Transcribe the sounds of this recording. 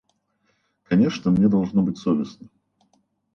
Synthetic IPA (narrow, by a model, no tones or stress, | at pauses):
kɐnʲeʂnəmnʲed̪ɐlˠʐnobɨtʲsovʲɪsnə